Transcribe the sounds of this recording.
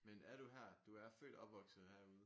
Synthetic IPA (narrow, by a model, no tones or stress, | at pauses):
menæɐɾuɦæɐ̰d̥uæɐfø̰ːd̥ɒ̽b̥ʋɒ̽ɡ̥sð̩ˠhæɐ̰uð̞ˠ